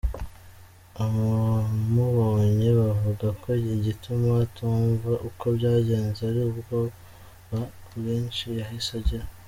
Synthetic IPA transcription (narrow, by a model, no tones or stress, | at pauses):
aβamuβoːɲeβavuɡakʰo̞iɟitʰumatʰuːɱvaʔuko̞bɟaːɟe̞ːnzeaɾiubɡo | βabɣiːnt͡ʃijaɦisaɟiɾa